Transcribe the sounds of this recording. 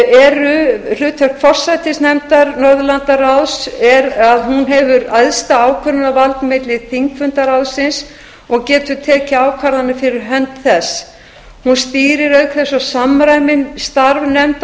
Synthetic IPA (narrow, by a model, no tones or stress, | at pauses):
ɛɾʏlʏːt̪ʰœr̥kfɔr̥sajt̪ɪsnɛmt̪aɾnɔɾðʏlant̪arawsɛɾaðɦunɦɛvʏɾajðst̪aaːwkʰœnʏnavalt̪nmejt̪lɪðθiŋkfʏnt̪aɾawsɪns | ɔɣcɛːt̪ʏ̥t̪ʰɛɛcɪaːwkʰvaɾðanːɪfɪɾɪɾɦœnt̪θɛsː | hunst̪iːɾɪɾœɥkθɛsːɔsamɾajmɪnst̪aɾvnɛmt̪